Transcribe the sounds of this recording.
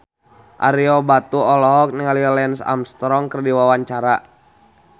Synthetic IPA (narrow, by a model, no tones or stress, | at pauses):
ʔa̰ɾiɔbat̪uɔlɔɦɔk̚niŋaliɔlɛnsa̰mst̪ɾɔŋkərdiwawaɲt͡ʃaɾa